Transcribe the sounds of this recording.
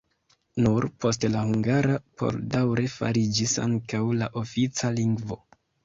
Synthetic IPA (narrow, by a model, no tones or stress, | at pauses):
nuɾpʰo̞stlahuŋɡaɾapʰo̞̰ldawɾe̞fa̰ɾid͡ʒisa̰ŋkawlaʔo̞fit͡saliŋɡvo̞̰